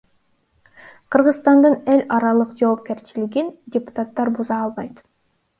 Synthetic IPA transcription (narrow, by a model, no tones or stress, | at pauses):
qʰɯɾʁɯzst̪ɑnd̪ɯne̞lʲɑɾɑlˠɯqd͡ʒo̞ːp̚ke̞ɾt͡ʃiliɡindʲɪpʊ̥t̪at̪ːɑɾbuzɑːlˠβɑjt̪